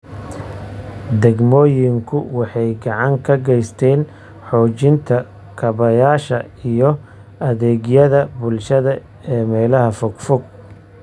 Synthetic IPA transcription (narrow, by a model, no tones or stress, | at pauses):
d̪ɛɡmɔːjɪŋkʰʊwɑħɑjɡɑʕɑŋkʰɐɡɛjst̪ʰɛːn | ħɔːt͡ʃɪnt̪ʰɐ | kʰɐβɐjaːʃɐ | ijɞ | ʔɐðɛːɣjɐðɐbʊlʃɐðɐ | ɛːmɛːlɐɦɐfʊɡfʊɡ̚